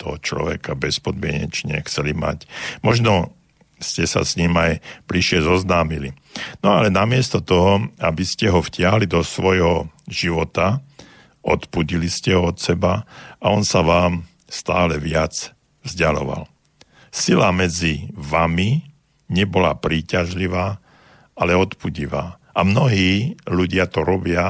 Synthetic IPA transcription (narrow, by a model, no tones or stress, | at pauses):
t̪ɔ̰ɦɔt͡ʃlɔ̰ʋɛ̰kabɛspɔd̪mɪɛɲɛ̰t͡ʃɲɛ̰xt͡sɛlima̰cmɔʒnɔ | scɛsa̰sɲiːmajb̥liʃɪɛzɔznaːmili | nɔalɛnamɪɛst̪ɔt̪ɔɦɔabiscɛɦɔfcɪaɦlid̪ɔsʋɔjɦɔʒ̥iʋɔt̪a | ɔt̪puɟiliscɛɦɔɔt̪sɛbaaɔnsaʋaːm | st̪aːlɛʋɪat͡s | vzɟalɔ̰ʋa̰l | silamɛd͡ziʋami | ɲɛbɔla̰pɾiːcaʒliʋaː | alɛɔt̪puɟiʋa̰ː | ʔamnɔɦiːluɟɪat̪ɔɾɔbɪa